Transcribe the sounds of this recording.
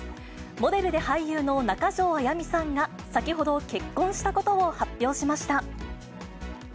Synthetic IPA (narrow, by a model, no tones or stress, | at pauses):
mo̞d̪e̞ɾɯ̟d̪e̞haijɯ̟ːno̞nakaʑo̞ːajamʲisãŋɡa | sakʲiho̞d̪o̞ke̞kːõ̞ɰ̃ɕi̥t̪ako̞t̪o̞ohapʲːjo̞ːɕimaɕi̥t̪a